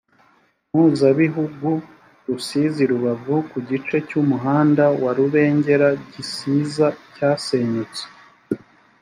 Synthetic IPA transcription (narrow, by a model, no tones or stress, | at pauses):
muːzaβiɦuɡu | ɾusiːziɾuβavukuɟit͡ʃe̞cumuɦaːndawaɾuβe̞ːɲɟe̞ɾaɟisiːzacaːse̞ːɲut͡se̥